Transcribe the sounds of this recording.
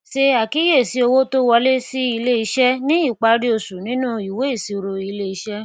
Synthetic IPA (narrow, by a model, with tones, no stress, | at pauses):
ʃe˧a˨ki˨˦je˦˨si˨˦o˧wo˦to˦wɔ˧le˦si˦i˧le˦i˧ʃɛ˦nĩ˦i˦˨k͡pa˧ɾi˦o˧˨su˨nĩ˦nũ˦i˨we˨˦i˦˨si˨˦o˧ɾo˧i˧le˦i˧ʃɛ˦